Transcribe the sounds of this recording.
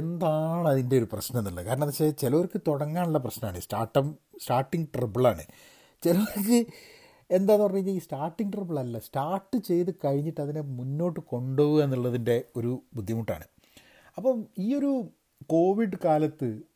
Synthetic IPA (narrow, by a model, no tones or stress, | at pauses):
end̪aːɳɐðinde̞o̞ɾuprɐɕnɐmenːuɭːɐkaːɾɐɳɐmpɐɕet͡ɕilɐoɾkːɨt̪oɽɐŋːaːɳuɭːɐp̬rɐɕnɐmaːɳɨḭːsʈa̰ːrʈːɐmsʈaːrʈːiŋɡʈribɐɭaːɳɨ̰ | t͡ɕelɐokːɨ | e̞nd̪aːnpɐrjiŋɡɐiːsʈaːrʈːiŋɡʈribɐɭɐlːɐstaːrʈːɨt͡ɕe̞jt̪ɨkɐɻiɲːiʈːɐðinemunːo̞ːʈːɨko̞ɳɖoːʋue̞nːuɭːɐðinde̞o̞ɾubud̪ʱːjimuʈːa̰ːɳɨ̰ | ɐpːɐmiːo̞ɾu | ko̞ːʋiɖɨkaːlɐt̪ːɨ